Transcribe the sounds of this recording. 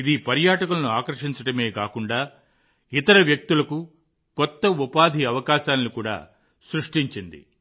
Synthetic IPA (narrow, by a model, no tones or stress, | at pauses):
id̪ipɐɾjaːʈɐkulɐnuaːkɐɾʂiɲt͡ʃɐʈɐme̞ːkaːkuɳɖaː | it̪ɐɾɐʋjɐk̚t̪ulɐku | kɔt̪ːɐupaːd̪ʱiɐʋɐkaːʃaːnlukuːɽa̰ː | sɾuʂʈiɲt͡ʃind̪ḭ